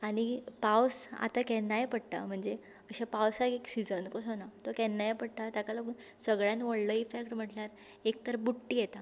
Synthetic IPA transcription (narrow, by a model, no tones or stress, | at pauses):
aɽ̃ipawsa̰t̪akɛnːajepəɽt̪a̰m̤əɳd͡ze | əɕapawsakeksid͡zənkosonat̪ɔkɛnːajepəɽʈ̪at̪akalaɡusəɡɭjãnʋoɽləifekʈm̤əʈljaɾ | ek̚t̪əɾbuʈːiːjɛt̪a